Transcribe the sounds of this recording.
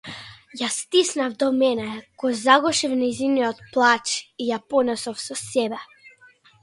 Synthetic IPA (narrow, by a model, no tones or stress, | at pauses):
jast̪isnavd̪ɔmɛnɛkɔzaɡɔʃifnɛjziniɔt̪̚plˠat͡ʃijapɔnɛsɔfsɔsɛbɛ